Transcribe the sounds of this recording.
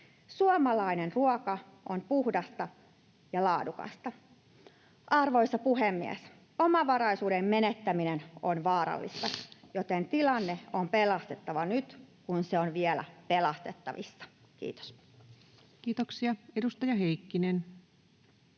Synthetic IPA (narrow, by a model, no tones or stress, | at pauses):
suomɑlɑine̞nruokɑʔonpuhdɑst̪ɑ | jɑlɑːdukɑ̰st̪ɑ | ʔɑrʋo̞isːɑpuɦemːiæ̰s | omɑʋɑɾɑjsuːdemːe̞net̪ːæminenonʋɑːɾɑ̰lːḭst̪ɑjot̪ent̪ilɑnːe̞o̞mpelɑst̪e̞t̪ːɑʋɑnyt̪kunseonʋielæ̰pe̞lɑst̪e̞t̪ːɑʋḭsːɑ̥ | kḭːt̪o̥s | kiːt̪oksiɑedust̪ɑjɑɦejkːinen